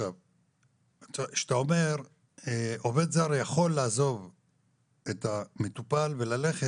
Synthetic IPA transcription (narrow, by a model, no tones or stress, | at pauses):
av | taʃe̥t̪ao̞me̞ʁ | eo̞ve̞d̪zaʁjaχo̞lːaːzo̞v | et̪amet̪upalve̞lale̞χe